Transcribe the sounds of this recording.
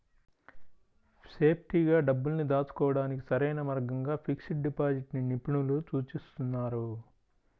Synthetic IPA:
se̞ːpʰʈiɡaːɖɐbːulnid̪aːt͡ʃu̥kɔːʋɐɽaːnik̬i̥sɐɾɐjnɐmɐɾɡɐŋɡaːpʰiksiʈ̚ɖipaːd͡ʒiʈninipiɳulut͡ʃuːt͡ʃist̪unːaːɾu

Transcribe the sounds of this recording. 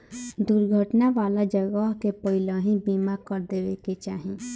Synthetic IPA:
d̪uɾɡʱəʈnaʋaːlad͡ʒəɡəɦkepəɦɪləɦĩbiːmakəɾd̪eːʋeket͡ʃaːɦĩ

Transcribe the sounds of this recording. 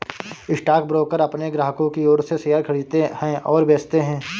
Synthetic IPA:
ɪsʈaːk̚bɾoːkəɾɐpneɡɾaːɦəkõkioːɾsesɐjaːɾkʰɐɽit̪ehɛ̃ʔɔːɾbeːst̪eɦɛ̃ː

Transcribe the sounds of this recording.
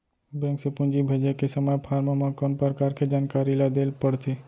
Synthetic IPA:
bẽːŋksepʊ̃nd͡ʒibʱəd͡ʒəkesəməjpʰaːɾmamãkɔnpəɾkaːɾkʰed͡ʒaːnkaːɾilad̪elpəɽt̪ʰe

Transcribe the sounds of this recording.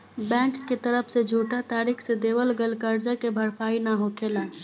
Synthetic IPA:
bɛ̃ːŋkːet̪əɾəpʰsed͡ʒʱuːʈat̪aːɾiːkʰsed̪eːʋəlɡəlkəɾd͡ʒakebʱəɾpʰaːinaɦokʰeːlən

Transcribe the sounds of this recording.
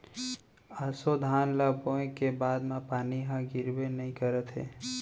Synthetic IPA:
asod̪ʱaːnlabõẽkebaːd̪mãpaːniɦãɡɪɾbenəĩkəɾət̪ɦḛː

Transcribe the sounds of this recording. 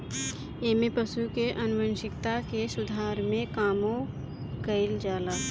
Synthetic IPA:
eːmepəʃukeʔɐnʊʋənʃɪkt̪akesʊd̪ʱaːɾmẽkaːmo | kəɪld͡ʒaːlaː

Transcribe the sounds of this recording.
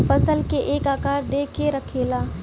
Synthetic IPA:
fəsəlkeʔeːkaːkaːɾd̪eːkeɾəkʰelaː

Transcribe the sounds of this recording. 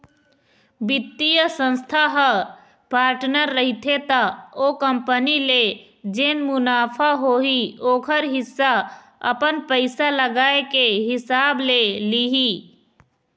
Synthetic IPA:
bɪt̪ːijəsə̃nst̪ʰaɦə | paːɾʈnəɾːəɦit̪ʰet̪aokəmpənile | d͡ʒenmʊnaːpʰaɦoɦioːkʰəɾɦɪsːa | ə̰pənpəɪsaləɡaːekeɦɪsaːbleliɦi

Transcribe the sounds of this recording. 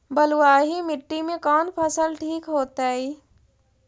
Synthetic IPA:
bɐluwaːɦimɪʈːimẽkɔːnpʰəsəlʈʰiːkɦoːt̪aːɦiː

